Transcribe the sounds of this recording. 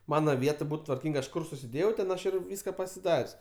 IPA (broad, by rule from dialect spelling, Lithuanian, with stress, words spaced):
ˈmɑːnɐ ˈʋʲiɛt ˈbʊt tʋɐrʲˈkʲiːŋk ˈɐʃ ˈkʊr sʊsʲɪˈdʲeːjɛʊ tʲɛn ˈɐʃ ɪr ˈʋʲiːskɐ pɐsʲɪˈdɐrʲsʲ